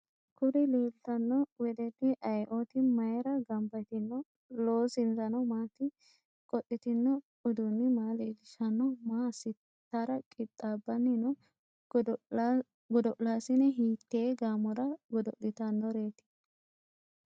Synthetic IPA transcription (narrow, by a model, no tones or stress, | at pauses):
kʰʊɾɪleːlɪt̪ɐnːɔwɛd̪ɛt̪ːɪʔɐjʔot̪ɪmɐjɾɐɡɐmbɐt̪ɪnːɔ | loːsɪnzɐnɔmaːt̪ɪ | kʼɔɗɪt̪ɪnːɔ | ʊd̪ʊnːɪmaːleːlɪʃɐnːɔmaːsɪ | t̪ːaɾɐkʼɪt̪ʼːaːbːɐnːɪnɔ | ɡɔd̪ɔʔlaːsɪnɛɦiːt̪ːeːɡaːmɔɾɐɡɔd̪ɔʔdɪt̪ɐnːɔɾe̞ːt̪ɪ̥